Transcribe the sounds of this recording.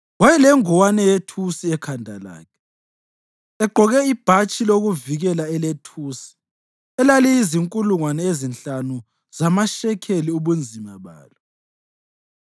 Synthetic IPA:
wɛjɛlɛŋɔwanɛjetʰusiɛkʰandʱa̰la̰ːkʰɛ̥ | ɛɡ͡ǃʱɔɣɛib̥ʱat͡ʃʼiloɣuviɣɛlaɛletʰuːsi̥ | ɛlalɛiziŋkʼuluŋwanɛezint͡ɬanu | z̥amaʃɛkʰeliuβund͡zʱimaβa̰ːlɔ

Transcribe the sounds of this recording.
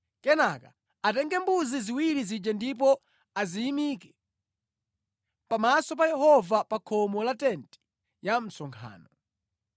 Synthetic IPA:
kɛnaka | atɛŋɡɛmbuziziwiɾizid͡ʒandip̬ɔ | azijimikɛ̥ | pamasɔp̬ajɛhɔvapakʰɔmɔlatɛntɛ̥ | jam̩sɔŋkʰa̰ːnɔ

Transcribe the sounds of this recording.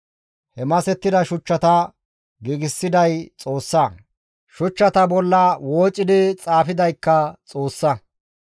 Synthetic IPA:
hɛmɐsɛt̪ːɪd̪ɐʃʊt͡ʃːɐt̪ɐ | ɡiɡɪsːɪd̪ɐjt͡sʼo̞ːsːɐ | ʃʊt͡ʃːɐt̪ɐbɔlːɐwoːt͡ʃʼːɪd̪ɪt͡sʼaːfɪd̪ɐjkːɐt͡sʼo̞ːsːɐ

